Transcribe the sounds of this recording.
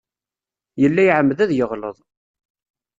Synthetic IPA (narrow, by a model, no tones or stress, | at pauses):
jəlːæjʕəmːðæðjəʁlə̰ðˤ